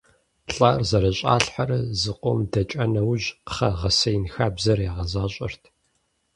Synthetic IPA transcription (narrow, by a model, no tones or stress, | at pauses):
ɬʼarzɐɾɐɕʼa̰ːɬħaɾɐzɨqʷʼɔmdɐt͡ʃʼɐnɐwʑqχɐʁɐsɐjɪnxaːbzɐrjaʁɐzaːɕʼɪ̰rtʰ